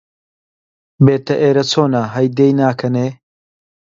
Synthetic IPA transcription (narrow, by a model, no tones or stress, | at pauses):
beːt̪ɐʔeːɾɐt͡sʰoːnaɦɐjd̪eːjnaːkʰɐneː